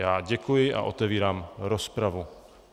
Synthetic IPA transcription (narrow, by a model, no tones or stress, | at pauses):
jaːɟɛkujɪʔa̰ʔo̞t̪ɛviːɾaːmɾospɾavu